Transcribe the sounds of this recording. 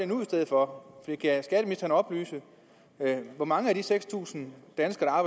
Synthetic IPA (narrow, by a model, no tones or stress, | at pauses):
enuisd̥eð̞ˠfɒ̽fɒd̥ḭːkʰæsɡ̥æɾ̥əmisd̥ɐnɒ̽b̥ly̰ːsə | ʋɒmɑ̈ŋəæd̥iseɡ̥st͡sʰṵːsn̩d̥ænsɡ̥ɐɾ̥ɑ̈ɑːbɑ̈